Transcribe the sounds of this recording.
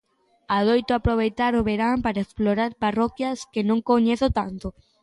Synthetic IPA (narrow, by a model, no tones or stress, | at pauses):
aðojt̪ʊapɾoβ̞ejt̪aɾʊβeɾampaɾaeksploɾaɾparɔkjɐskɪnõŋkoɲeθʊt̪ant̪o